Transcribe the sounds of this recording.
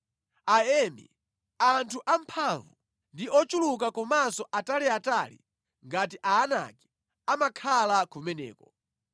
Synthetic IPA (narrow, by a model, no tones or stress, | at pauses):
aɛmḭ | antʰuʔampʰaɱvu | ndiʔɔt͡ʃuluk̬akɔmasɔʔataliatalḭ | ŋɡatiʔaːna̰kɛ̥ | amakʰalakumɛnɛ̰ːkɔ